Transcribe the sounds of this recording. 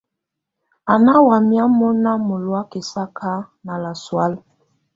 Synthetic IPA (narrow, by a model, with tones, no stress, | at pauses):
a˨na˦wa˨mja˦mɔ˦na˦mo˨lwa˦ki˨sa˦kʰa˦na˨la˨swa˦l